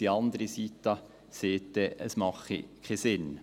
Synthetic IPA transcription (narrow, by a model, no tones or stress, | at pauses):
iɑnd̪ɾəsiːt̪ɑ | seːt̪̚d̪̥eʔəsmɑχə̰kʰæɪsɪn